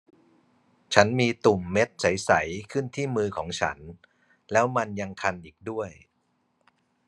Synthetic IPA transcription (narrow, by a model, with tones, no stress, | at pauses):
t͡ɕʰa˦˥nmiː˧t̪u˨˩mːe˦˥t̪̚sa˩˦jsa˩˦jkʰɯ˥˩nt̪ʰiː˥˩mɯː˧kʰɔː˩˦ŋt͡ɕʰa̰˦˥n | lɛː˦˥wma˧nja˧ŋkʰa˧nʔiː˨˩k̚du˥˩əj